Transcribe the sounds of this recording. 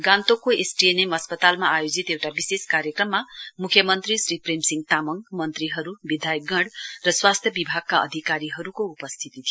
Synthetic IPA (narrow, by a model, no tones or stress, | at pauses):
ɡãnt̪okoesʈienemʌspʌt̪almaːjod͡zit̪ewʈabiseskaɾjʌkrʌmːamukʰːjʌmʌnt̪risɾipremsiŋɡ̚t̪amʌŋmʌnt̪riɦʌɾubid̪ʱajɡʌɽrʌswast̪ʰjʌbibʱaɡ̚kaʌ̰d̪ʱikaɾiɦʌɾukoupʌst̪ʰit̪it̪ʰijo